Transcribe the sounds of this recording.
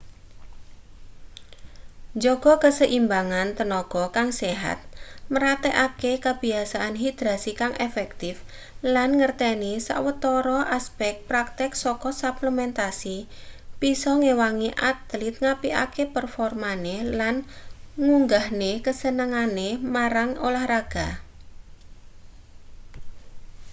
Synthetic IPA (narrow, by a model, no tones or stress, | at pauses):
d͡ʒɔɡ̥ɔkəsəʔimbaŋant̪ənɔɡ̥ɔkaŋseɦa̰t̪̚məɾat̪eʔakekəb̥i̤asaʔanɦid̪̥ɾasikaŋʔefɛk̚t̪ɪf | lanŋərt̪ɛnisa̰ʔwət̪ɔɾɔʔaspɛk̚pɾak̚t̪ɛksɔkɔsapləmɛnt̪asib̥isɔŋewaŋiʔat̪lɪt̪̚ŋapiʔa̰kepərfɔrmanelanŋuŋɡahnekəsənəŋanemaɾaŋolahraɡ̥a